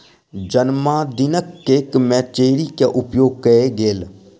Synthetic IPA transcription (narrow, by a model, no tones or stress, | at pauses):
d͡ʒənmãːd̪ɪnəkːeːkmɛ̃ːt͡ʃeːɾiːkeʔʊpjoːɡ̚kəeɡeːl